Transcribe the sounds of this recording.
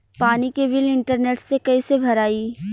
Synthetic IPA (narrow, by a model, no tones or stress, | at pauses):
paːnikebɪlɪ̃ɳʈəɾneːʈsekɐisebʱɐɾaːiː